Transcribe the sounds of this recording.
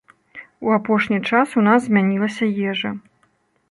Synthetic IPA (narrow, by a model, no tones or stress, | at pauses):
uapɔʂnʲit͡ʂasunazzʲmʲanʲilˠɐsʲɐjɛʐɐ